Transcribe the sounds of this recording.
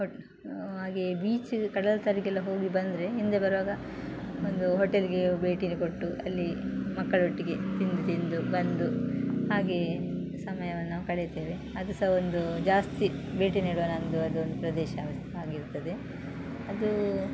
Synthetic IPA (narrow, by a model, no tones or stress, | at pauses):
o | ɦaːɡebiːt͡ʃkɐɽɐlɐt̪ɐɾikɛlːɐɦo̞ːɡibɐnd̪ɾe̞ɦind̪ebɐɾɐʋaːɡɐ | ond̪uɦɔʈeliɡe̞be̞ːʈinukoʈːuʔɐlːimɐkːɐɭɦoʈːiɡe̞t̪ind̪ut̪ind̪ubɐnd̪uɦaːɡe̞ | sɐmɐjɐʋɐnːɐkɐɭet̪eːʋe̞ | ɐd̪ɐsɐɦɐond̪ud͡ʒaːst̪ibe̞ːʈiniːɽuʋɐnɐɐnd̪uɐd̪uond̪upɾɐd̪ɛːʃɐ | aːɡiɾt̪ːɐd̪e̞ | ɐd̪u